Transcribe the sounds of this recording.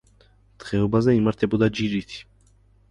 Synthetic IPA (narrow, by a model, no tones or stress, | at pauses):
t̪ʁɛubazaimaɾt̪ʰɛbɔd̪ad͡ʒiɾit̪ʰi̥